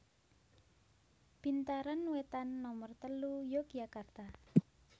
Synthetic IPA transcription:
b̥int̪aɾanwet̪anːɔmərt̪əlujoɡ̥ijakart̪a

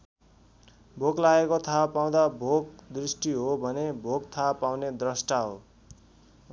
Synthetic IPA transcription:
bʱoklaekot̪ʰapaw̃d̪abʱokd̪risʈiɦobʱʌnebʱoɡt̪ʰapawned̪rʌsʈaɦo

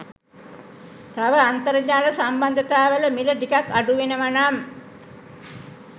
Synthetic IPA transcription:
t̪aʋəant̪əɾəd͡ʒaːləsamband̪ət̪aːʋələmiləʈikakːaɖuʋenəʋanaːm

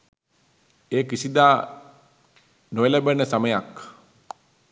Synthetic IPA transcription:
ekisid̪a | noelabənəsaməjak

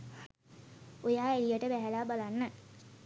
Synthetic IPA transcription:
ojaːelijəʈəbæɦælaːbalanːə

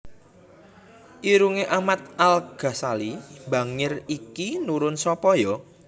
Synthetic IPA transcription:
ʔiɾuŋeʔamat̪̚ʔalɡ̥a̤salibä̤ŋɪrikinuɾʊnsɔpɔjɔ

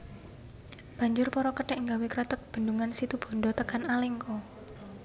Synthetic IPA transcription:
b̥ä̤ɲd͡ʒʊrpɔɾɔkəɖɛʔŋɡawekɾɛt̪ək̚b̥ə̤nduŋansit̪ub̥ɔ̤ɳɖɔt̪əkanalɛŋkɔ

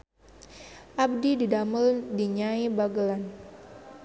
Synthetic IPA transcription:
ʔab̚dididaməldiɲaibaɡəlan

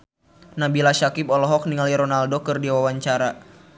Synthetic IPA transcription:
nabilaʃakipɔlɔɦɔk̚niŋaliɾɔnaldokɨrdiawawaɲt͡ʃaɾa

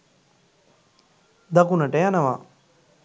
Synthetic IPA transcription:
d̪akunɐʈeanɐʋa

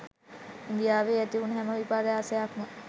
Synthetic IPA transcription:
ind̪ijaːʋeːæt̪iunɦɛməʋipaːɾəjaːsəjakmə

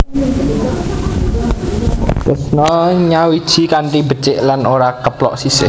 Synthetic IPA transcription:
kəsnɔɲawid̥ʒ̥i̤kaɳʈibət͡ʃɪʔlanoɾakəplɔ̰ʔsisɪ̰

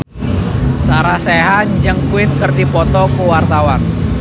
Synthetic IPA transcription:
saɾahsɛɦaɲd͡ʒəŋkuɪt̪̚kərdipɔt̪ɔkuwart̪awan

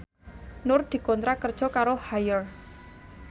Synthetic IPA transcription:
nʊrd̪̥i̤kɔnt̪ɾakərd̥ʒ̥ɔ̤kaɾohajər

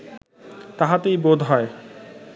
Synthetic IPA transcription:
t̪aɦat̪ejbod̪ʱɦɔe

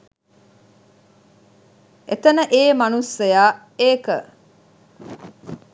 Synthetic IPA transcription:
ʔet̪ənəʔeːmɐnusejaː | eːkə

